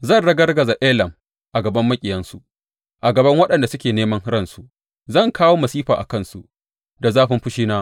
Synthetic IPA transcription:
zɐ˦˨nɽɐ˦ɡɐ˦rɡɐ˨za˨ʔeː˦lɐ˨m | ʔa˨ɡɐ˨bɐ˦mːɐ˦kʲʼɪ˨jɐ˦nsu˨ʔ | ʔa˨ɡɐ˨bɐ˦ŋwɐ˦ɗɐ˨nda˨sʊ˦kʲeː˨neː˦mɐ˦ŋɽɐ˦˨nsu˨ʔ | zɐ˦˨ŋkʰaː˦woː˦mɐ˨siː˦ɸaː˨ʔa̰˨kɐ˦nsṵ˨ | da˨zaː˦ɸɪ˦mɸʊ˦ʃiː˦naː˦

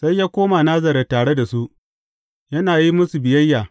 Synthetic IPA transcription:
sa˦jaː˦kʷoː˦ma˨naː˦zɐ˨ɾɐ˨taː˨ɽe˦da˨su˦ʔ | jɐ˦naː˨ji˦mʊ˦su˨bɪ˨jɐ˦jːaː˨

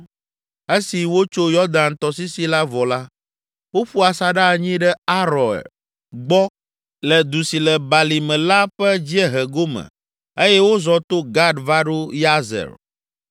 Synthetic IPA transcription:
e˦si˨wo˦t͡ʃo˦jɔ˦d̪ã˨nt̪ɔ˨si˦si˦la˦vɔ˨la˦ | wo˦ɸu˦a˨sa˦ɖa˦˨ɲĩ˦ɖɛ˦a˦ɾɔ̃˨ɛ̰˨ | ɡ͡bɔ˦ | lɛ˨d̪u˨si˨lɛ˨ba˨li˨mɛ̃˨la˦ɸɛ˦d͡ʑi˦ɛ˦ɦɛ˨ɡo˦mɛ̰̃˨ | e˦jɛ˦wo˦zɔ˨t̪o˦ɡa˦ɖva˦ɖo˦ja˦zɛ̰˨ɾ

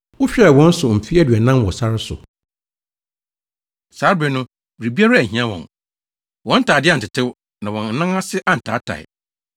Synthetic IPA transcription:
ʊ˦ɕᶣɛ˦˨wɔ̃˦n̩˦sʊ˨m̩˨fi˦æ˦dɥɛ˨nã˦m˦wɔ˨sa˦ɾɪ˦sʊ̰˨ | saː˨˦ɾbɪ˨nʊ̃˦ | bɾi˨bi˦a˦ɾa˦æ˨ɦĩ˨˦ã˦wɔ̰̃˨n | wɔ̃˨˦n̩˦tʰa˨dɪ˦ã˦˨n̩˨tɪ˨tʰɪ˦w | nã˨wɔ̃˨n̩˦nã˦ŋã˦sɪ˦ʔa˦n̩˨tʰaː˨˦tʰa̰˨ɪ̰˨

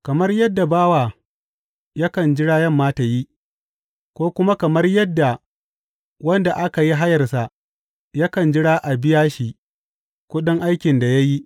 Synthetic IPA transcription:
kɐ˨mɐ˦rjɐ˦dːa˨baː˦waː˨ | ja˦kɐ˨nd͡ʒɪ˦ɽaː˦jɐ˦mːaː˦ta˨ji˦ | kʷoː˦kʷʊ˦ma˦kɐ˨mɐ˦rjɐ˦dːa˨ | wɐ˦nda˨ʔa˦ka˨ji˦ɦa˦jɐ˨rsa˨ʔ | ja˦kɐ˨nd͡ʒɪ˦ɽaː˦ʔa˨bɪ˦jaː˦ʃi˨ | kʷʊ˦ɗʊ˦ŋʔa˦jkʲɪ˨nda˨ja˦ji˦ʔ

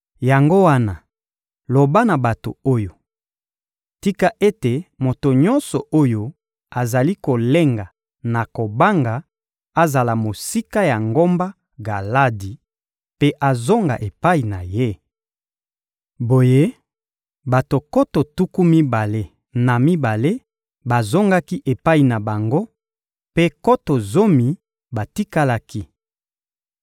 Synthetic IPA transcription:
ja˨ŋɡo˦wa˦na˨ | lo˨ba˦na˨ba˨to̰˨o˦jo˨ | ti˦ka˦ʔe˦te˨mo˨to˨ɲɔ̃˦nsɔ˨ʔo˦jo˦ | a˨za˨li˦ko˨le˦ŋɡa˨ | na˨ko˨ba˦ŋɡa˨ | a˦za˨la˨mo˨si˦ka˦ja˨ŋɡo˦mba˦ | ɡa˨la˦di˨ | pe˦ʔa˨zo˦ŋɡa̰˨ʔe˨pa˦i˨na˨je˦ | bo˨je˦ | ba˨to˨ko˦to˨tu˦ku˦mi˦ba˨le˦ | na˨mi˦ba˨le˦ | ba˨zo˦ŋɡa˦ki˦ʔe˨pa˦i˨na˨ba˨ŋɡo˦ | pe˦ko˦to˨zo˦mi˨ | ba˨ti˦ka˦la˦ki˦

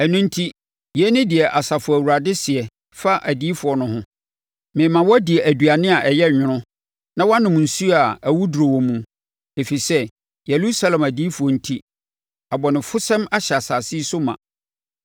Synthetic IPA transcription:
æ˨nũ˦n̩˦tʰi˦ | jɛ˨˦nɪ̃˦dɪ˨ɛ˨ʔa˨sa˨fʊ˨æ˨wu˨ɾa˨dɪ˦sɪ˨ɛ˨ | fa˦ʔæ˨diː˦fʊ˨ɔ˨nʊ̃˦ɦʊ̃˦ | mɪ̃˨˦mã˨wɔ˦dɪ˨ɛ˨æ˨dɥa˨nɪ̃˦a˨ʔɛ˨jɛ˦˨ɲᶣʊ̃˦ɾʊ̃˦ | nã˦wã˦nʊ̃˨m˨n̩˨su˦a˨æ˨wu˦du˨ɾo˨wo˨mũ˨ | e˨fi˨sɛ˦ | jɛ˨lu˦sa˦lɛ̃˨mæ˨diː˦fʊ˨ɔ˨n̩˦tʰi˦ | a˨bɔ˨nɪ̃˨fʊ˦sɛ̃˦ma˦ɕa˨sa˨si˦sʊ˦mã̰˨

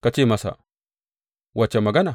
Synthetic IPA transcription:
ka˨t͡ʃi˦˨ma˨sa̰˨ | wa˨t͡ʃa˨ma˨ɡa˦na˨

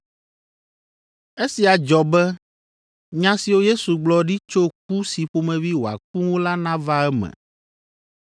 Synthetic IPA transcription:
e˦si˨a˨d͡ʒɔ˨bɛ˦ | ɲã˦si˨wo˦je˦su˨ɡ͡blɔ˦ɖi˦t͡ʃo˦k̚u˦si˨ɸo˦mɛ̃˨vi˦wo˨a̰˨ku˦ŋo˦la˦nã˦va˦ɛ˦mɛ̰˨

